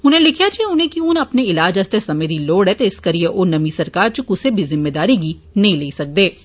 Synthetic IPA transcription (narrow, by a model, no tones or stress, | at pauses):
ʊnẽlɪkʰijat͡ʃʰiẽʊnẽkiʊnɐpneɪlaːd͡ʒɐst̪esɐmed̪ʱiloːɽɛt̪eɪskɐɾieʔʊːnɐmisɐɾkaːɾt͡ʃukʊsebʱizɪmːeːd̪aːɾiɡi | nɐɦĩleisɐk̚d̪eː